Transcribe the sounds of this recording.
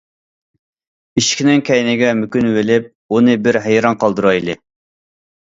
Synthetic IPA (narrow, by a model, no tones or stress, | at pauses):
iʃkʲʰinɪŋkʲʰɛjnɪɡʲɛmykʲynvɪlɪp̚ | unɨbɪɾɦæjɾɑnqʰɑlˠd̪ɨɾɑjlˠɪ